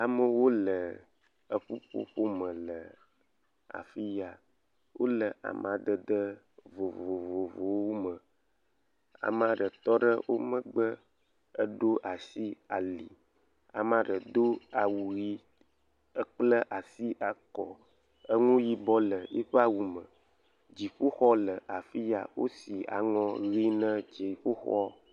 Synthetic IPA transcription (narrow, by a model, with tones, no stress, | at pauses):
a˨mə˨wo˦lə˨ | ə˨ɸu˦ɸo̰˦ɸo˦mə̃˨lə˨ | a̰˨fi˦ja˨ | wʔo̰˦lə˨a̰˨m˨a˨d̪ə˨d̪ə˦ | vo˨vo˨vo˨vo˨wo˦mə˨ | a̰˨m˦a˨ɖə˨t̪ɔ˦ɖə˦wʔo˦mə̃˦ɡ͡bə˦ | ə˦ɖo˦ʔa˨si˦a˨li˨ | a̰˨mã˨ɖə˨d̪o˦a˨wu˨ɣi˦ | ə˦k͡plə˦ʔa˨si˦ʔa˨kɔ˨ | ə˦ŋũ˦ji˦bɔ˦lə˨ḭ˦ɸə˦a˦wu˨mə̃˨ | d͡ʒi˨ɸo˦xɔ˦lə˨ʔa˨fi˦ja̰˨wo˦si˨a̰˨ŋɔ̃˦ɣi˦nə̃˦t͡ʃi˨ɸo˦xɔ˦